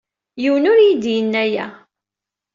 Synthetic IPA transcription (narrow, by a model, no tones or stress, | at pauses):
juwnʊɾjid̪jənːæjæ